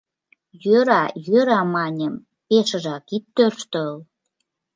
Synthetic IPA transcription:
jøɾɑjøɾɑmɑnʲəm | peʃə̆ʒɑkit̪ːørʃt̪ə̆l

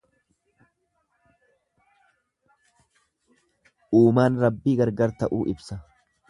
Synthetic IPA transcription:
ʔuːmaːnɾɐbːiːɡɐɾɡɐɾt̪ɐʔuːʔɪbsɐ

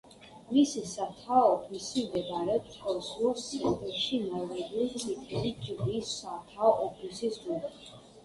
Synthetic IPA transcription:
misisat̪ʰaɔɔpʰisimd̪ɛɡaɾɛt̪ʰʼ | ɔsuɔsʰɛnt̪ʼɛʃinavɛd̪ilt̪sʼʰit̪ʰɛlit͡ʃʼid̪iːsːat̪ʰaɔʔɔpʰisismu

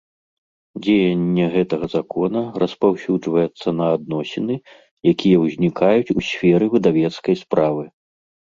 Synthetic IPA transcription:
d͡zʲejɐnʲːɛɣɛt̪ɐɣɐzakɔnɐrɐspawsʲud͡ʐvɐjɛt̪sːɐnɐːd̪nɔsʲinɨ | jakʲʰijɐwzʲnʲikajut͡sʲusʲfʲɛɾɨvɨd̪avʲɛt̪skɐjspɾʔavɨ

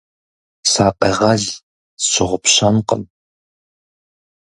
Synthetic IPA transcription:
saːqeːʁɐɮ | ɕɪʁʷʊpɕɐnqə̰m

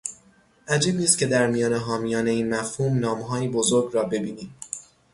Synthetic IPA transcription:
ʔæd͡ʒiːbniːst̪̚cʰe̞d̪æɾmijɒːne̞ɦɒːmijɒːne̞iːnmæfhuːmnɒːmɦɒːjibozoɾɡɾɒːbe̞biːniːm

